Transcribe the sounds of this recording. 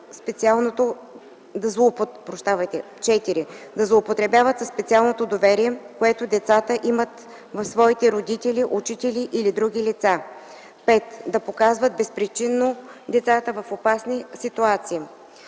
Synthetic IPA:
spɛt̪sialˠnot̪o | d̪ɐzlˠoːpopɾoʃt̪avɐjt̪ɛ | t͡ʃɛt̪iɾid̪ɐzlˠoːpot̪ɾɛbjavət̪səsːpɛt̪sialˠnot̪od̪ovɛɾiɛkoɛt̪od̪ɛt̪sat̪əʔimət̪ | vɐfsvɔit̪ɛɾod̪it̪ɛliʔut͡ʃit̪ɛliʔilid̪ɾuɡ̟ʲilit̪sa | pɛt̪d̪ɐpokazvət̪̚bɛspɾit͡ʃinːod̪ɛt̪sat̪əvəfopasnisit̪uat̪siː

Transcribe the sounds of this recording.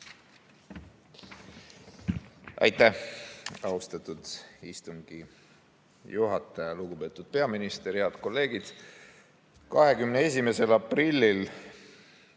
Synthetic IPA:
ɑ̰jt̪ːˑæh | ɑust̪ɑt̪ˑud̪̥ist̪uŋɡ̥i | juɦɑt̪ːˑɑjɑluɡube̞ːt̪ːˑud̪̥̚pe̞ɑminist̪e̞ɾeɑd̪̥ko̞lːe̞ːɡid̪̥ | kɑɦe̞kymnee̞s̬ʲime̞se̞lɑprilʲːil

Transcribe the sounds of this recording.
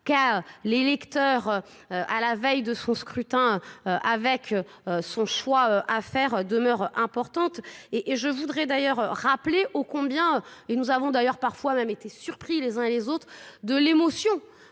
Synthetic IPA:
kaølelɛkt̪œʁø | øʔalavɛjd̪əsɔ̃skχyt̪ɛ̃øøʔavɛkøsɔ̃ʃwaøʔafɛʁød̪əmœʁɛ̃pɔʁt̪ɑ̃t̪eʔːʒəvud̪ʁɛd̪ajœʁøʁapleʔokɔ̃bjɛ̃øenuzavɔ̃d̪ajœʁpaʁfwamɛmet̪esyʁpχilezɛ̃elezot̪χd̪əlemɔsjɔ̃

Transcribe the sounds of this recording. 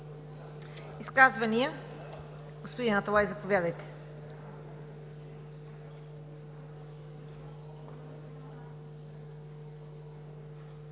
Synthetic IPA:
iskazvɐniə | ɡʊspʊd̪inɐt̪ɐlˠajzɐpʊvjɛd̪ɐjt̪ɛ̥

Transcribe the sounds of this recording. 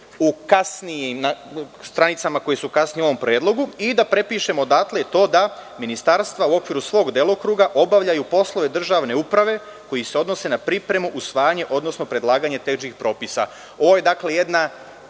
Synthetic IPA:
ukasniimnast̪ɾanit̪samako̞jesukasnio̞ʋo̞mpɾe̞ːd̪lˠo̞ɡuid̪apɾe̞piːʃe̞mo̞d̪at̪let̪o̞ːd̪aminist̪aɾst̪ʋauo̞kʋiːɾusʋo̞ːɡd̪elˠo̞kɾuːɡaʔo̞baʋʎajupo̞slˠoʋe̞d̪r̩ʒaʋne̞upɾaʋe̞ | ko̞jise̞o̞d̪no̞se̞napɾipɾe̞muʔusʋaːjaɲe̞ʔo̞d̪nosno̞pɾe̞d̪lˠaːɡaɲe̞t̪e̞ʒixpɾo̞ːpisa̰ | o̞ʋo̞je̞d̪akle̞je̞d̪na

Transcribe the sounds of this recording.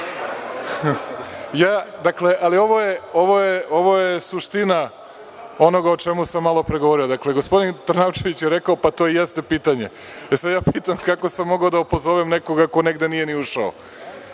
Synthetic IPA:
jaːd̪akleʔalio̞ʋo̞jeo̞ʋo̞jeo̞ʋo̞jesuʃt̪ina | o̞no̞ɡaot͡ʃemusamːalˠo̞pɾeɡoʋo̞ɾiod̪akleɡospo̞d̪int̪ɾnawt͡ʃe̞ʋit͡ɕjeɾekaopat̪o̞ːjest̪e̞piːt̪aɲe | esad̪jaːpit̪amkako̞samːo̞ɡaod̪aupo̞zo̞ʋemneko̞ɡako̞neɡd̪e̞nije̞niuʃao̰

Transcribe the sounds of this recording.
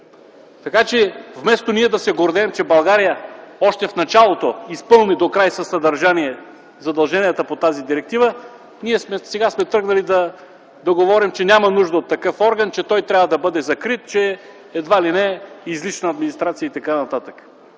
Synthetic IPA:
t̪ɐkat͡ʃɛvmɛst̪oniɛd̪ɐsɛɡoɾd̪ɛːmt͡ʃɛbɐlˠɡaɾijəɔʃt̪ɛfnɐt͡ʃalˠot̪oispɤlˠnid̪okɾajsɐsːɐd̪ɐɾʒaniɛ | zɐd̪ɐlˠʒɛnijɛt̪əpot̪azid̪iɾɛk̚t̪ivə | niɛsmɛsɛɡasmɛt̪ɾɤɡnɐlid̪ɐ | d̪ɐɡovɔɾimt͡ʃɛnʲamɐnuʒd̪əot̪ːɐkɤfɔɾɡɐnt͡ʃɛt̪ɔjt̪ɾʲavəd̪ɐbɤd̪ɛzɐkɾit̪t͡ʃɛ | ɛd̪valinɛizlit͡ʃnəːd̪minist̪ɾat̪sijəit̪ɐkanɐt̪at̪ək

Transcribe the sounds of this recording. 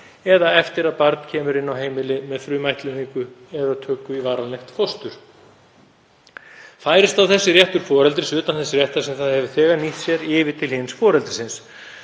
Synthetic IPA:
ɛðaɛft̪ɪɾaðpaɾt̪n̥cʰɛːmʏɾɪnːawɦeːjmɪlɪmɛðfɾʏːmajht̪lʏniŋkʏɛðat̪ʰœːkːʏivaːɾalnɛxt̪fɔst̪ʏɾ̥ | faːjɾɪst̪awθɛsːɪrjɛht̪ʏɾ̥fɔːɾɛlt̪ɾɪsʏːt̪anθɛsɪɾrjɛht̪asɛmθaðhɛvʏ̥θɛːɣaniht̪sjɛɾɪːvɪt̪ʰɪlhɪnsfɔːɾɛlt̪ɾɪ̥sɪns

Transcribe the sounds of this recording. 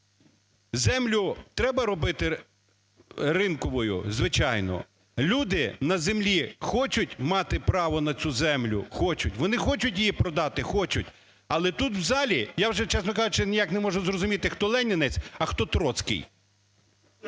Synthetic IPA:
zɛmlʲʊt̪ɾɛbɐɾɔbɪt̪ɪ | rɪnkɔʋɔjʊ̰zʋɪt͡ʃɑjnɔ̰ | lʲud̪ɪnɐzemlʲixɔt͡ʃʊtʲmɑt̪ɪpɾɑʋɔnɐt͡sʲuzɛmlʲʊ̰xɔt͡ʃʊtʲʋɔnɪxɔt͡ʃʊtʲjijipɾɔd̪ɑt̪ɪxɔt͡ʃʊtʲ | ɐlˠɛt̪ut̪wzɑlʲijawʒɛt͡ʃɛsnɔkɑʒʊt͡ʃɪnʲijaknɛmɔʒʊzrɔzʊmʲit̪ɪxt̪ɔlˠɛnʲɪnet͡sʲɐxt̪ɔt̪ɾɔt̪sʲkɪ̰j

